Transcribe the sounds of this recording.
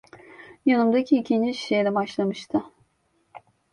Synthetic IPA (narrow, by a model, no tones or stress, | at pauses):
janɯmd̪acʰiːcʰind͡ʒiʃi̥ʃejlʲɛbaʃlˠamɯʃt̪ʰɯ